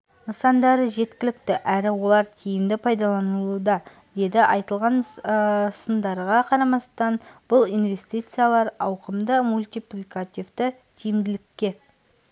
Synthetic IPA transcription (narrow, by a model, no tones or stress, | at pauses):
nəsɑnd̪ɑɾəʒe̞t̪kʲɪlɪkt̪ɪʔæɾɪwo̞lˠɑɾt̪ʲʰijɪmd̪ɪpʰɑjd̪ɑlˠɑnəlˠud̪ɑ | d̪̥e̞d̪ɪʔɑjt̪əlˠʁɑn | sənd̪ɑɾʁɑqʰɑɾɑmɑst̪ɑnb̥ʊlˠijnve̞st̪ijt̪sɨjalˠɑɾɑwqəmd̪əmulʲt̪ijplʲikat̪ʲivt̪ɪ | t̪ʰijɪmd̪ɪlɪkʲːe̞